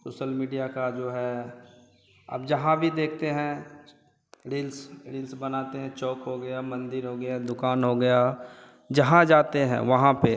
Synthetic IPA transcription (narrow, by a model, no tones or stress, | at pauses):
soːʃəlmiːɖijakad͡ʒoːɦɛ | ɐ̰bd͡ʒɐɦãbʱid̪eːk̚ʰt̪eɦɛ̃ | ɾiːlsɾiːlsbɐnaːt̪eɦɛ̃t͡ʃɔːkɦoɡɐjamɐ̃nd̪ɪɾɦoɡɐjad̪ʊkaːnɦoɡɐja | d͡ʒɐɦãd͡ʒaːt̪eɦɛ̰̃ʋɐɦãpe